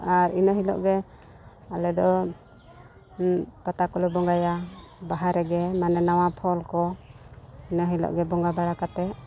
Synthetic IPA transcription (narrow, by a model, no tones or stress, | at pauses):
aɾinɔɦilɔ̰ʔɡɛ | alɛd̪ɔ | pat̪akɔlɔbɔŋɡajabaɦaɾɛɡɛmanɛnawapʰɔlkɔ | inɔɦilɔ̰ʔɡɛbɔŋɡabaɽakat̪ɛ